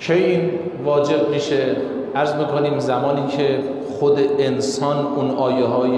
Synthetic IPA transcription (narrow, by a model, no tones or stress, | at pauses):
kʰejin | vɒːd͡ʒe̞b̚miːʃe | ʔæɾzmiːkʰoniːmzæmɒːniːkʰe | xod̪eʔːnsɒːnunɒːjeɦɒːje